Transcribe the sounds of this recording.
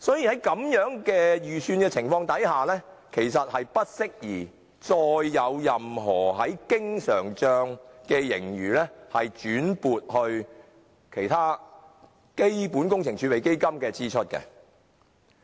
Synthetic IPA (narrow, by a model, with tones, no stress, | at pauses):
sɔː˨˥jiː˨hɐ˨˥jkɐ˨˥mjœː˨˥ŋkɛː˧jyː˨syː˧nkɛː˧t͡sʰɪ˨˩ŋfɔː˧ŋt̪ɐ˨˥jhaː˨lɛː˥kʰe˨˩jsɐ˨t̚hɐ˨jpɐ˥t̚sɪ˥k̚jiː˨˩ | t͡ʃɔː˧jːɐ˨˧wjɐ˨mɦɔː˨˩ɦɐ˨˥jkɪ˥ŋsœː˨˩ŋt͡ʃœː˧ŋkɛː˧jɪ˨˩ŋjyː˨˩lɛː˥hɐ˨jt͡ʃyː˨˥npuː˨t̚hɵ˧ɥ | kʰe˨˩jt̪ʰaː˥ | ke˥jpuː˨˥nkʊ˥ŋt͡sʰɪ˨˩ŋt͡ʃʰyː˨˥pe˨˩jke˥jkɐ˥mkɛː˧t͡siː˥t͡ʃʰɵ˥t̚kɛ̰˧